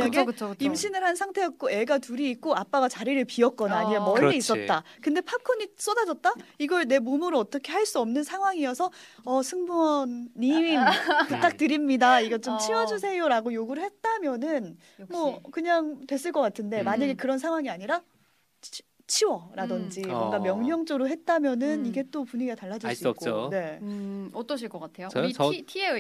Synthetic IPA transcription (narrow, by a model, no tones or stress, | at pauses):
aɲaɡt͡ɕʰimɕʰinɯɭhansʰaŋtʰe̞jʌt̚k͈oe̞ɡatuɾiːk͈oap͈aɡat͡ɕaɾiɾɯɭpiʌk̚k͈ʌnaiemʌʎːiis͈ʌt̚t͈a | kɯnde̞pʰakʰoɲis͈odad͡ʑʌt̚t͈aiɡʌɭne̞momuɾɯʌt͈ʌkʰe̞ɦhaɭs͈uʌmnɯnsʰaŋɦwaŋijʌsʰʌ | ʌsʰɯŋbuʌnːiimput͈ak̚t͈ɯɾimɲidaiɡʌt͡ɕ͈omt͡ɕʰiwʌd͡ʑusʰe̞joɾaɡojoɡuɾɯɭhet̚t͈amjʌnɯn | mwʌkɯɲaŋtwe̞s͈ɯɭk͈ʌk͈atʰɯnde̞maɲaɡe̞kɯɾʌnsʰaŋɦwaŋiaɲiɾa | t͡ɕʰiwʌɾadʌnd͡ʑiok͈amjʌŋɦjʌŋt͡ɕ͈ʌɾuɦe̞t̚t͈amjʌnɯniɡe̞t͈opuɲiɡataɭːad͡ʑiɭsuikoone̞ | ʌt͈ʌɕ̬ʰiɭk͈ʌk͈atʰejoi